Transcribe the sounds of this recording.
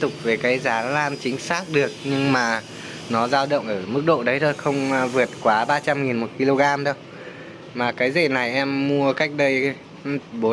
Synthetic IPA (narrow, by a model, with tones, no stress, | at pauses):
t̪ʊ˨˩k͡p̚ve˨˩kaː˨˦jzaː˨˦laː˧nt͡ɕï˨˦ŋ̟saː˦˥k̚ɗɨ˨˩ək̚ɲɨ˧ŋmaː˨˩ | nɔ˨˦zaː˧wɗə̰˧˨wŋʔəː˧˩mɨ˦˥k̚ɗo̰˧˨ɗə˨˦jt̪ʰo˧jxə˧wŋ͡mvɨ˨˩ət̚kwaː˨˦ɓaː˧t͡ɕa˧mŋi˨˩nmo˨˩t̚ki˧lo˧ɣaː˧mɗə˧w | maː˨˩kaː˨˦jzə̰˧˨˩na˨˩jʔɛ˧mːu˧əka˦˥jk̟̚ɗə˧j | ɓo˨˦